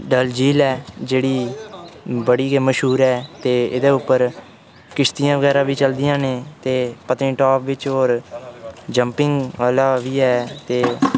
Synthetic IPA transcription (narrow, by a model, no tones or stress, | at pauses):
ɖəld͡ʒiːlɛːd͡ʒeːɽiː | bəɽiːkeməʃɦuːɾɛːt̪eːɪd̪eːʊpːəɾ | kɪst̪ijãːʋəɡɛːɾãːbiːt͡ʃəld̪ɪjãːneːt̪eːpət̪ĩːʈɔːpʋɪt͡ʃɦoːɾ | d͡ʒəmpɪŋɡaːlaːʋiːɦɛːt̪eː